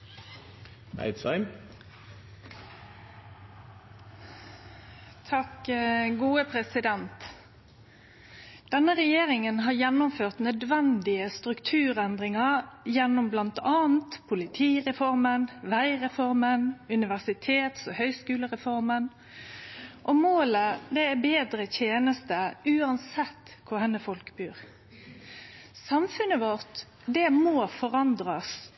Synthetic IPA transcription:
æ̰ɪd̪sɑɪm | t̪ʰɑkɡuːəpʰʁɛsɪd̪ɛnt̪ | d̪̥ɛnːəʁɛjeːʁɪŋənɦɑːjɛnːʊmføːʁt̪nœd̪ʋɛnd̪ɪəst̪ʁʉkt̪ʰʉːʁɛnd̪ʁɪŋɑʁjɛnːʊmblɑnt̪ʰɑːnt̪pʰʊlɪt̪ʰiːɾɛfɔɾmənʋæɪʁɛfɔɾmənʉnɪʋæʁsɪt̪ʰeːt̪sɔhœʏskʉːləʁɛfɔɾmən | ʔɔmoːləd̪ɛæbeːd̪ɾət̪ʰeːnəst̪əʉːɑnsɛt̪ːkʰʊhɛnːəfɔlkbyːʁ | sɑmfʉnəʋɔʁt̪ | d̪ɛmoːfɔɾɑnd̪ɾɑs

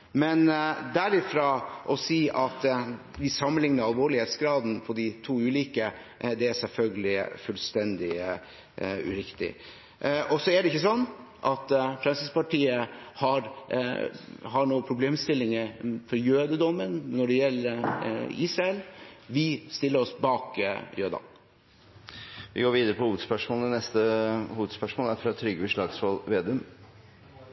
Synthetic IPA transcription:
mɛnd̪æɾɪfɾɑːʔɔsiːʔɑt̪ | ʋɪsɑmːənɪŋnəɾɑlʋoːɭɪheːt̪sɡɾɑːd̪n̩fɔɖɪt̪ʰuːʉːliːkə | d̪ɛæsɛlfœlɡəlɪfʉlst̪ɛnd̪ɪ | ʉ̰ɾɪkt̪ɪ̰ | ʔɔsɔæɖɛɪçːəsɔnː | ʔɑt̪fɾɛnsɪspɑʈʰiːəhɑɾ | ɦɑɳuːəpʰɾʊbleːmst̪ɪlːɪŋəfɔɾjøːd̪əd̪ɔmːənnɔɖɛjɛlːəiːsɾɑɛlʋɪst̪ɪlːəɾɔsbɑːkjøːd̪ɑ̰ | ʋɪ̰ɡoːɾʋiːd̪əɾəpʰɔhuːʋəd̪spœʂmoːləənɛst̪əhuːəd̪spœʂmoːləæɾfɾɑt̪ʰɾʏɡəəʂɭɑːɡsʋɔlʋeːd̪ʉm

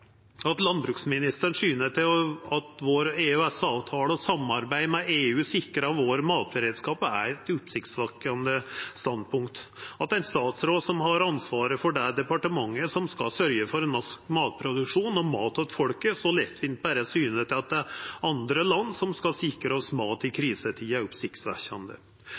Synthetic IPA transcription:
ɑt̪lɑnbɾʉːksmɪnɪst̪əɳʂyːnəʈ̪ɪlɑt̪ʋoːɾeːʉɛsɑːʋt̪ʰɑːɽəɔsɑmɑɾbæɪmɛeːʉːsɪkːəɾəɑʋoːɾmɑːt̪̚bəɾeːd̪skɑːpæ̰ɾɛt̪ʊpsɪkt̪sʋɑkɑnd̪əst̪ɑnd̪pʰʊŋkt̪ɑt̪æɪt̪st̪ɑːt̪sɾoːd̪sɔmhɑɾɑnsʋɑːɾəfɔɖɛɖ̪ɛpɑʈəmɑŋːəsɔmskɑsœɾjəfɔɾɛnmɑskmɑːt̪̚pʰɾʊd̪ʉkʂuːnɔmɑːt̪ɑt̪fɔɽkəsɔlɛt̪ʰːʋɪnt̪bæɾəsyːnət̪ʰɪlɑt̪̚d̪ɛɑnd̪ɾəlɑnːsɔmskɑsɪkːɾəɑsmɑːt̪ɪkʰɾiːsət̪ʰiæɾʊpsɪkt̪sʋæ̰ɕɑnd̪ə̰

